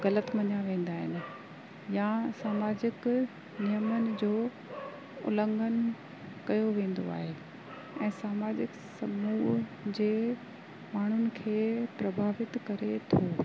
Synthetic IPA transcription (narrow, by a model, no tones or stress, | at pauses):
ɣɐlət̪mɐɲaʋẽːn̆d̪aːɦɪnɪ̆ | jasaːmaːd͡ʑɪk | nijəmənɪ̆d͡ʑoː | ʊ̰lə̃ŋɡʱən | kɐjoʋẽːn̆d̪o̰a̰ːɦe | ɛ̃ːsaːmaːd͡ʑɪk | sɐmuːɦd͡ʑeː | maːɳ̤ʊnɪ̆kʰeːpɾɐbʱaːʋɪt̪kɐɾet̪ʰoː